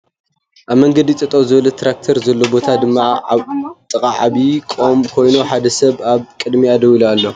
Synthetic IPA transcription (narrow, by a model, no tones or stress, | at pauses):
ʔaβmɐŋɡɐd̪it͡s̪ʼɨt̪ʼɐwzɨβɐlɐt̪ʰɾak̚t̪ʰɐɾzɐlːo̞bo̞t̪ʰad̪ɨmːa | t̪ʼɨkʼaʕaβikʼomkʰo̞jnuħad̪ɐsɐβaβkʼɨd̪miad̪ɐwilalːo̞